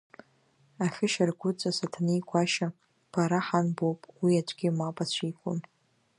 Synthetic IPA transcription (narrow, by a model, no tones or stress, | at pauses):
aχʲɪʃarɡʷʊt͡sʼasatʰanijkʷʰʼaʃa | b̥aɾaħanbowpʼwiad͡ʒʷʼɡʲɪmapʼat͡ɕʷʰijkʷʰʼʊm